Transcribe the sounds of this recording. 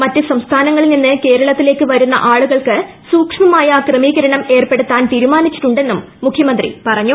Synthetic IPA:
mɐtːɨsɐmst̪ʰaːnɐŋːɐɭlninːɨke̞ːɾɐɭɐt̪ːile̞ːkːɨʋɐɾunːɐ̰ʔaːɭuɣɐɭkɨ | suːkʂmɐmaːjɐkrɐmiːɣɐɾɐɳɐme̞ːrpe̞ɽut̪ːaːnt̪iːɾumaːnit͡ɕːi̥ʈːuɳɖe̞nːumːukʰjɐmɐnd̪rḭpɐrɐɲːu

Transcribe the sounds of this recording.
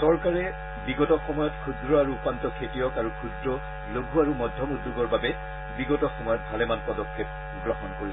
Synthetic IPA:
sɔɹkaɹɛ | biɡɔtɔxɔmɔjɔtkʰudɹɔaɹuupantɔkʰetijɔkaɹukʰudɹɔ | loɡʱuaɹumɔdʱjɔmuduɡɔɹbabɛ | biɡɔtɔxɔmɔjɔt̚bʱalɛmanpɔdɔkʰːep̚ | ɡɹɔxɔnkoɹil

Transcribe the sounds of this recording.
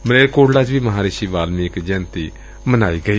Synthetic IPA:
mɾeːɾkoːʈlaːt͡ʃʋiːməɦaːɾeːʃiːbaːlnĩɪkd͡ʒɛːnt̪iː | mənaːiːɡəiː

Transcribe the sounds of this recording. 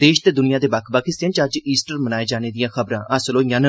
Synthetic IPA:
d̪eːʃt̪eːd̪ʊnɪjãːd̪eːbakʰbaːkʰɪsə̃ːt͡ʃəd͡ʒiːsʈəɾmənaːeːd͡ʒaːneːd̪ɪjãːxʰəbɾãːʔəsloːijãːn

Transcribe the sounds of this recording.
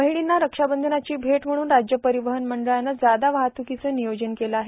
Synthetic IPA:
əɦiɭinːaɾəkʂabənd̪ʱənat͡ɕiːbʱeʈm̤əɽ̃uːnɾad͡ʑjəpəɾiʋəɦənməɳɖəɭjanːad͡zad̪aʋaɦat̪ukit͡səːnijod͡ʑənkeləaɦe

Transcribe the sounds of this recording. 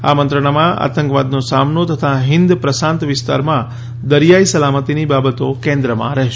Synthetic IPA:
a̰mənt̪ɾəɽ̃amãa̰ːt̪ə̃ŋkʋad̪nosamnot̪ət̪ʰaɦɪnd̪pɾəsãnt̪ʋɪst̪a̰ɾmã | d̪əɾjaisəlamət̪inibabət̪okẽnd̪ɾəmã̰ɾəɦʃ

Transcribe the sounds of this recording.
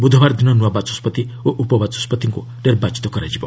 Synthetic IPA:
bud̪ʱɔbaɾd̪inɔnuwabat͡ʃɔspɔt̪i | oʔupɔbat͡ʃɔ̥spɔt̪iŋku | ɖeɾbad͡ʒi̥t̪ɔkɔɾa̰d͡ʒibɔ̰

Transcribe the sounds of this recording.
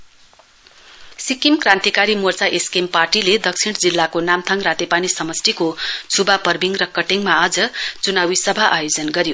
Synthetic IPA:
sikimkrãnt̪ikaɾimort͡saʔeskemparʈiled̪ʌksʰiɽ̃d͡zilːakonamt̪ʰaŋrat̪epanisʌmʌsʈikot͡sʰubapʌrbiŋrʌkʌʈeŋmaʌd͡zʌt͡sunawisʌbʱaʔajod͡zʌnɡʌɾijo

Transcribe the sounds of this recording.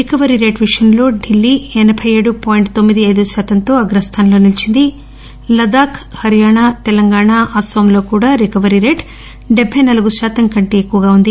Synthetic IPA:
ɾikɐʋɐɾiɾe̞ːʈʋiʂjɐnlo̞ːɖilːiɛnɐbʰʱɐjeːɽupaːjiɳʈt̪o̞mːid̪iɐjd̪uʃaːt̪ɐnt̪o̞ːɐɡɾɐst̪ʰaːnɐlo̞ːnilɐt͡ʃind̪i | lɐd̪aːkʰhɐɾijaːɳaːt̪ɛlɐŋɡaːɳaːʔɐsʋɐmlo̞ːkuːɽaːɾikɐʋɐɾiɾe̞ːʈ | ɖɛbʱːɐjnɐluɡuʃaːt̪ɐŋkɐɳʈeːkːuʋɐɡaːund̪i

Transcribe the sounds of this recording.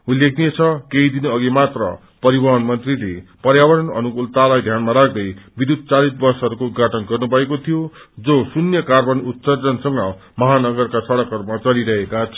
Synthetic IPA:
ulːekʰniet͡sʰʌkeid̪inʌɡimat̪rʌ̰ | pʌɾibʌɦʌnmʌnt̪rilepʌrjawʌɾʌnʌ̰nukult̪alajd̪ʱjanmaɾakʰd̪ʌjbid̪ud̪̚ʱt͡salisbʌrsʌɦʌɾukout̪̚ɡʱaʈʌnɡʌrnubʱʌekot̪ʰijo | d͡zosunjʌkarbʌnut̪sʌd͡zʌnsʌŋɡʌ | mʌɦanʌɡʌrkasʌɽʌkɦʌrmat͡sʌliɾʌɦekat͡sʰʌ̥

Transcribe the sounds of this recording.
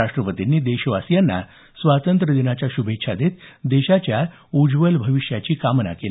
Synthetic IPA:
aʂʈɾəpət̪inːiːd̪eɕʋasjanːa̰ | sʋat̪ənt̪ɾəd̪inat͡ɕjaɕubʱekɕʰad̪et̪d̪eɕat͡ɕja | ud͡ʑʋəlbʱəʋiɕjat͡ɕiːkamna̰kel

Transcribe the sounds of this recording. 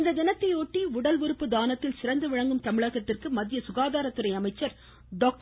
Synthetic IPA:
nd̪ɐd͡ʒɐnɐt̪ːɐɪoːʈːiʊɽɐlʋʊɾɯpːɯd̪aːnɐt̪ːɪlsɪrɐnd̪ɐʋɪɻɐŋɡɯmt̪ɐmɪɻɐɣɐt̪ːɪrkɯmɐðɪjɐsʊɣaːðaːɾɐt̪ːɯɾɐɪɐmɐɪt͡ʃːɐɾ | ɖoːk̚

